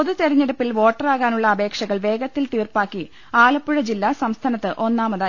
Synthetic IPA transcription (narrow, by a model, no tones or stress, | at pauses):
oðut̪eɾɐɲːeɽupːilʋo̞ːʈːɐraːɣaːnuɭːɐːbʱe̞ːkʂɐɣɐɭʋe̞ːɡɐt̪ːilt̪iːrpaːkːi | aːlɐpːuɻɐd͡ʑilːaːsɐmst̪ʰaːnɐt̪ːɨʔo̞nːaːmɐðaː